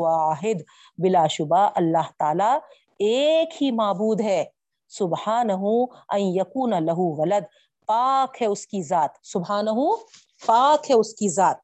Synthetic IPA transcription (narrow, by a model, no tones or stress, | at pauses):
aːɦɪd̪ | bɪlaːʃʊbaːʔɐlːaːɦt̪aːla | eːkhimaːbuːd̪ɦɛː | sʊbhaːnɐɦuɐ̃njɐkuːnɐlɐɦuʋɐləd̪ | paːkɦɛʊskizaːt̪sʊbɦaːnɐɦuː | paːkɦɛʊskizaːt̪̚